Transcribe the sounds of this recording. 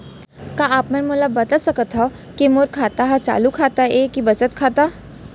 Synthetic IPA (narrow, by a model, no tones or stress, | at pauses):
kaaːpmənmolabɐt̪asəkət̪ɦɔ | kemoɾkʰaːt̪aɦat͡ʃa̰ːlukʰat̪aekibət͡ʃət̪kʰaːt̪a